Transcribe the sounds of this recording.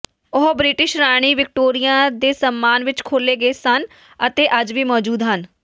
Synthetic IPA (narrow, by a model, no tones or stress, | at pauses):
ʊɦbɾɪʈɪʃɾaːɽ̃iːʋɪk̚ʈoːɾijãːd̪eːsəmːaːnʋɪt͡ʃkʰoːleːɡeːsən | ət̪eːʔəd͡ʒʋiːmɔːd͡ʒuːd̪ɦən